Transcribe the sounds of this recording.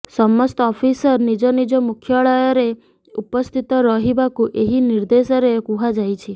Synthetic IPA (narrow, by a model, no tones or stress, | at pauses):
sɔmːɔst̪ɔɔpʰisɔɾnid͡ʒɔnid͡ʒɔmukʰjɔɭɔjɔɾe | upɔst̪ʰit̪ɔɾɔɦibakuʔeɦiniɾd̪esɔɾekuɦad͡ʒajt͡ʃʰi